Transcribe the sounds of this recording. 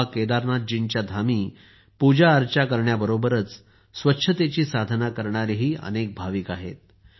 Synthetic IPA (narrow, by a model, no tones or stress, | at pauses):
aked̪aɾnat̪̚d͡ʑint͡ɕjad̪ʱamiː | pud͡ʑaəɾt͡ɕjakəɾɳjabəɾobəɾət͡s | sʋətːɕʰət̪et͡ɕiːsad̪ʱnakəɾɳaɾiɦiːə̰nek̚bʱaʋiːkaɦḛt̪̚